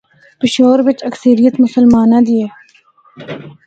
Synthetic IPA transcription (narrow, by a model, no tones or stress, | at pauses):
pɪʃoːɾʋɪt͡ʃəksəɾijət̪mʊsəlmaːnãːd̪ieː